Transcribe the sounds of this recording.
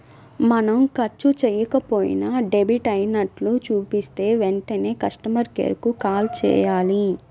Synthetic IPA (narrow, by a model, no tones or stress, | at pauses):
mɐnɐmkɐɾt͡ʃut͡ʃɛːjɐkɐpoːjḭnɐɖebiʈɐjinɐʈlut͡ʃuːpist̪e̞ːʋeɳʈɐne̞ːkɐʂʈɐmɐɾkḛːɾkukaːlt͡ʃɛ̰ːjaːli